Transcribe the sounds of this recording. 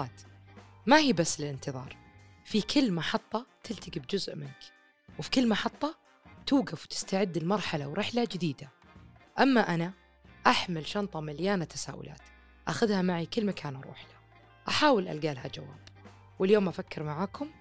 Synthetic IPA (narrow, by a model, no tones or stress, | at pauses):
t̪mahiːbasːɪlɪnt̪ɨðˤɑ̰ːɾˤ | fikʰɪlːmɑħɑt̪ˤːɑt̪ʰɪlt̪aɡɪbd͡ʒʊzʔmɪnk | wfi̥kɪlːmɑħɑt̪ˤːɑ | t̪uːɡafwt̪ɪ̥st̪aʕɪd̪ːɪlmɑɾˤħalawɾɪħlad͡ʒɪd̪iːd̪a | ʔamːaʔana | ʔaħmɪlʃɑnt̪ˤɑmaljaːnat̪ʰasa̰ːʔʊ̰lʔa̰ːt̪ | ʔaxʊðhamaʕikɪlːmakʰaːnɾˤṵːħlḁ | ʔaħaːwɪlʔa̰lɡaːlhad͡ʒawa̰ːb̥ | wɪljoːmʔafakːɪɾmaʕaːkʊm